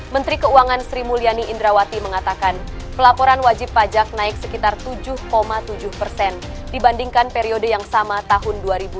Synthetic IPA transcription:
mənt̪ɾikəuaŋansɾimulianiʔːndɾawat̪iməŋat̪akan | pəlapoɾanwad͡ʒɪpːad͡ʒak̚naɪksəkit̪art̪ud͡ʒʊhkomat̪ud͡ʒʊhpərsɛn | dibandiŋkanpeɾiodəjaŋsamat̪aɦʊnduaɾibu

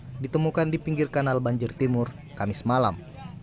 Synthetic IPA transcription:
dit̪əmukandipiŋɡirkanalbaɲd͡ʒɪrt̪imʊr | kamɪsmala̰m

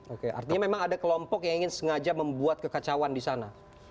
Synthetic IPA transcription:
okeʔa̰rt̪iɲamemaŋadakəlɔmpɔkjaŋiŋɪnsəŋad͡ʒaməmbuat̪̚kəkat͡ʃawandisana

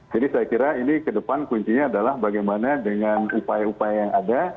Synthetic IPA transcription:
d͡ʒadisajakiɾainikədəpankuɲt͡ʃiɲaːdalahbaɡajmanadəŋanupajaupajajaŋada

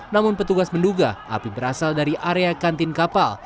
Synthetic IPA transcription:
namʊnpət̪uɡasmənduɡaʔa̰pibəɾasaldaɾiʔaɾeakant̪ɪnkapal

